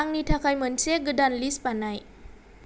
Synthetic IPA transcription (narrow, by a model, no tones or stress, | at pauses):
aŋnitʰakʰajmɯnseɡɯdanlispanaj